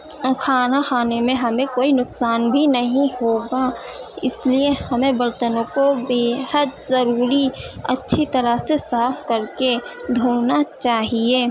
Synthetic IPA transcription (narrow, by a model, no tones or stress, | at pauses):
kʰaːnaxaːnemẽɦɐmẽkoːinʊksaːnbʱinɐɦĩhoːɡaɪsliehəmẽbəɾt̪ənõkobeːhəd̪zəɾuːɾiə̰tːʃʰit̪əɾəsesaːpʰkəɾked̪ʱoːnat͡ʃaːɦieː